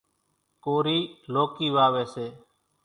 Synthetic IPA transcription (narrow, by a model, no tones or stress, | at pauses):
koːɾiːloːkiːʋaːʋeːseː